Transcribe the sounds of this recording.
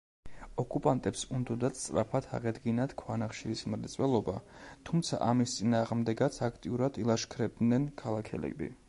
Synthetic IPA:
ɔkʼupʼant̪ʼɛpsund̪ɔd̪at̪st̪ʼɾa̰pʰat̪ʰa̰ʁɛd̪ɡinat̪ʰkʰwanaχʃiismɾt̪sʼwɛlˠɔbat̪ʰumt̪sʰa̰ʔamist̪sʼinaːʁmd̪ɛɡat̪sʰakʰt̪ʼiuɾad̪ilˠaʃkʰɾɛb̚d̪nɛnkʰalˠakʰɛ̰lɛ̰bḭ

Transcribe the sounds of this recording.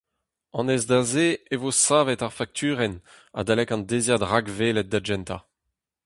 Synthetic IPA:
ɑ̃nɛzd̪azeevosaːvɛtaʁfak̚t̪ʰyːʁɛn | a̰d̪alɛkɑ̃nd̪ezjad̪ʁaɡvelɛt̪̚d̪ad͡ʒɛnt̪a̰

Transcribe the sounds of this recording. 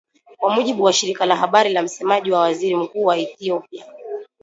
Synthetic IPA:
kwamuʄiɓuwaʃiɾikalaɦaɓaɾilam̩sɛmaʄiwawaziɾim̩kuːwaiθiɔpia

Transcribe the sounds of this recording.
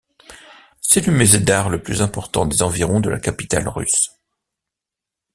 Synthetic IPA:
sɛləmyzed̪aʁləplyzɛ̃pɔʁt̪ɑ̰̃d̪ezɑ̃viʁɔ̃d̪əlʔa̰kapi̥t̪a̰lʁy̰s

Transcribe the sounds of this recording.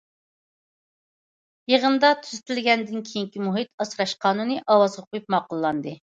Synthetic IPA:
jeʁənd̪ɑt̪ʰyzɪt̪ʰɪlɡʲɛnd̪ɪnkʲʰijiŋkʲimuɦit̪ɑsɾɑʃqʰɑːnunɨʔɑwɑzʁɑqʰojup̚mɑːqʊlˠːɑnd̪ɨ

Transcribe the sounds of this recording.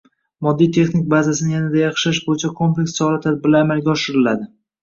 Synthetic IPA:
mɒd̪ːijt̪ʰe̞χnɪk̚ʲbazasɪnɪjanad̪ajɑχʃlɪʃbojɪt͡ʃʰakʰo̞mple̞kʲssɒlˠat̪ʰad̪̚bɪɾlaamalɡʲaɒʃɪɾɪlad̪ɪ

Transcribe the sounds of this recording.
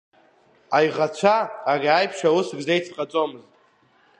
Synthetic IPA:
ajʁat͡ɕʷʰaːrʲajpʰʃawusɡzejt͡sʰqʼat͡sʼo̞mɨztʼ

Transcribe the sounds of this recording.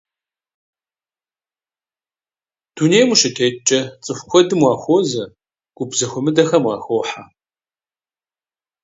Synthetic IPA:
d̥uneːjmuʃɪtʰeːt͡ʃʼɐt͡sʼɨfʷxʷʰɔdɨmwɑːxʷozɐ | ɡ̥ʷʊbzɐxʷʊmɨdɐxɐmwɑːxʷoːħa

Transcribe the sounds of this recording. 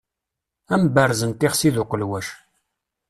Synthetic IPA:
æmbərzənt̪ɪχsiðuqəlwæʃ

